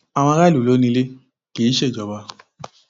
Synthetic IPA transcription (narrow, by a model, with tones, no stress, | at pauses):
a˨w̃ɔ̃˧ɾa˦lu˨lo˨˦nĩ˧le˦ | ke˨˦ʃe˦˨d͡ʒɔ˨ba˧